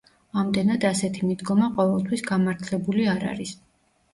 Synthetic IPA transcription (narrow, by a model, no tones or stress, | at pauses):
amd̪ɛnad̪asɛt̪ʰimid̪ɡɔmaqʼɔvɛlˠt̪ʰwisɡamaɾt̪ʰlɛbuliaɾa̰ɾis